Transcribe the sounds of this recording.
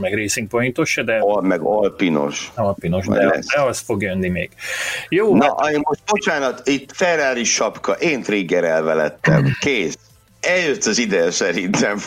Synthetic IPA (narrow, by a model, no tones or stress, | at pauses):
mɛɡreːsiŋk̚pojint̪oʃːɛd̪ɛmɛɡolpino̞̰ʃolpino̞ʃd̪ɛ̰d̪ɛɒst̪foɡjønːimḛːɡ̥joːnɒʔɒeːmmoʃt̪̚bo̞t͡ʃaːnɒt̪it̪ːfɛd̪ɾaːɾiʃɒpkɒʔeːnt̪ɾiɡːɛɾɛlvɛlɛt̪ːɛ̰mkeːs | ɛljøt̪ːɒzid̪ɛsɛɾint̪ɛm